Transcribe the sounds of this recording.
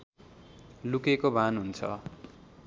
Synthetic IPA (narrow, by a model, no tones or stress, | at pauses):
lukekobʱanɦunt͡sʰʌ̰